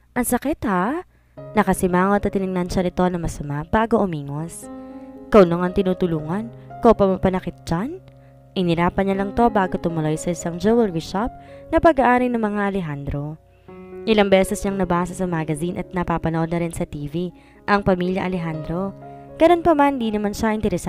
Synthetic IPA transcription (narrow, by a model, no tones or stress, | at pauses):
ʔɐŋsɐkɛt̪ha | nɐkɐsɪmaːŋot̪ɐt̪ɪnɪŋnɐnʃɐnɪt̪o̞nɐmɐsɐmaʔb̥aːɡo̞ʔʊmiːŋoskɐwnoŋɐŋt̪ɪnuːt̪ʊluːŋɐnkowpɐmɐpɐnɐkɪt̪̚d͡ʒan | ʔɪnɪɾaːpɐnɐlɐŋt̪o̞baːɡo̞t̪ʊmʊlojsɐʔɪsɐŋd͡ʒowɛlɹiʃap̚nɐpɐɡaʔaːɾɐjnɐŋmɐŋaʔɐlɛɦand̪ɾo̞ | ʔɪlaŋbɛːsɛsɲɐŋnɐbaːsɐsɐmaɡɐzinʔɐt̪̚nɐpapɐnoʔo̞d̪̚nɐɾɪnsɐt̪iːvi | ʔɐŋpɐmiljɐ̰ʔɐlɛɦand̪ɾo̞ɡ̥ɐno̞npɐmand̪inɐmanʃaʔɪnt̪ɛɾɛs